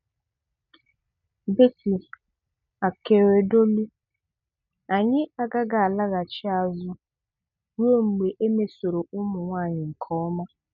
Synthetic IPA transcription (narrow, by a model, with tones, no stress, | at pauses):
be˦si˨ | a˨ke˨ɾe˨do˦lu˦ | a˨ɲɪ˦a˦ɡa˦ɡa˨a˨la˦ɣa˨t͡ʃɪ˦a˨zʊ˦ | wo˦ŋ͡m̩˨ɡ͡be˨ʔe˦me˨so˨ɾo˨ʔʊ˦mʊ˨ŋʷaː˦˨ɲɪ˨ŋ̩˨kʰɔ˦ɔ˦ma˦